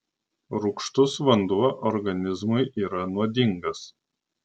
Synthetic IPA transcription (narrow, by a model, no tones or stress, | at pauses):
ɾʊkʃt̪ʊsʋɐnd̪uɔʔɔɾɡɐnʲɪzmʊɪʔiːɾɐnuɔd̪ʲɪŋɡɐs